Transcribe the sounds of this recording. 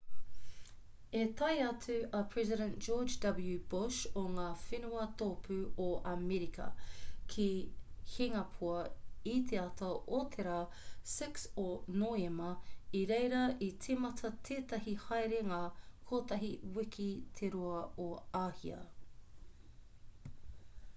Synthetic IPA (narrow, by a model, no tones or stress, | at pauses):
et̪ɐjɐt͡sʉɐpʰɹ̥ɛziɾɛ̃nd͡ʒoːd͡ʒdɐbljʉbʊʃoŋaːfenuɐt̪oːpʰʉoʔɐmɛɾikʰɐ̰kʰihiŋɐpʰuɐit̪ʰeɐtʰɐʔot̪ʰeɾaː | sɪksonoemɐiɾejɾɐitʰimɐtʰɐt̪ʰeːt̪ɐɦihajɾeŋaːkʰoːt̪ɐɦiwikʰit̪ʰeɾuɐoaːhḭɐ̰